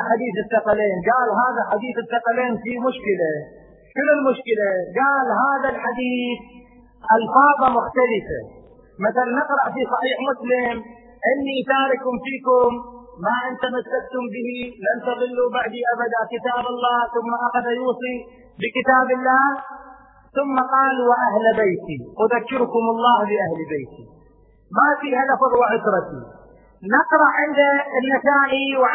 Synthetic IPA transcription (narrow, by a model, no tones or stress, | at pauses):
ħad̪iːθɪθːɑqaleːnɡaːlɦaːðaħad̪iːθɪθːɑqaleːnfimʊʃkɪla | ʃʊnʊlmʊʃkɪlaɡaːlɦaːðalħad̪iːθ | ʔalfɑːðˤɑmʊxt̪alɪfa̰ | maθalnːɪqɾɑʔfisˤɑħiːħmʊslɪm | ʔɪnːiʔtaːɾɪkʊmfiːkʊmː | aʔɪnt̪amasːakt̪ʊmbɪhilant̪ɑðɪlːubaʕd̪iʔabad̪akɪt̪aːbɑlˤːɑːhθʊmːaʔaɣaðajuːsˤi | bɪkɪt̪aːbɪlːaːh | θʊmːaqɑːlwaʔahlbejt̪iʔʊðakːɪɾʊkʊmɑlˤːɑːhlɪʔahlbeːt̪i | mafiːhalɑfðˤwaʕʊt̪ɾˤɑt̪ḭ | nɪqɾˤɑʔʕɪnd̪anːasaːʔiw